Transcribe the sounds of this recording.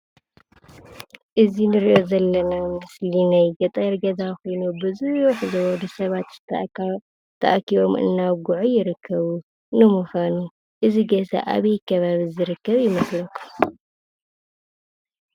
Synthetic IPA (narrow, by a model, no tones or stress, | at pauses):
ʔɨzinɨɾiʔo̞zɐlːɐnamɨslinajɡɐt̪ʼɐɾɡɐzaxo̞jnubɨzuħɨzɐwɔd̪usɐβat̪zɨ̥ | t̪ʰɐʔakʰiβo̞mɨ̰nːaβɡuʕujɪɾɨkʰːɐβu | nɨmuxanu | ʔɨziɡɐsɐ̰ʔa̰βɐjkʰɐβaβizɨɾɨkːɐβjɪmɐslɐk̪ʰːu̥